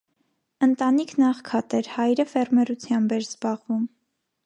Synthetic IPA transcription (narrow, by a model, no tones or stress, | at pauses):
ənt̪ɑnikʰnɑχkʰɑt̪ɛɾhɑjɾəfɛrmɛɾut͡sʰjɑmbɛɾz̥bɑʁvum